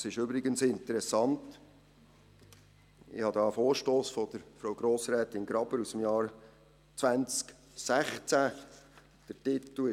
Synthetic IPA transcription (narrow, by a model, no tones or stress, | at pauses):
sɪʃʏbɾɪɡənsɪnt̪əɾɛsɑnt | ɪ̰hɑd̪ɑːfoːɾʃtoːsfɔd̥̪əɾfɾowɡ̥ɾoːsɾɛːt̪ɪnɡɾɑb̥əɾusəm̩jɑːɾ | t͡sʋænt͡sk | sæχt͡sæ | d̥ətɪt̪l̩ɪ